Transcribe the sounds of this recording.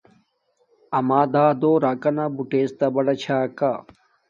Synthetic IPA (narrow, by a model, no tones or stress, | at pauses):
ɐmaːd̪aːd̪oːɾaːkɐnabuʈeːst̪ɐbɐɽɐt͡ɕʰaːka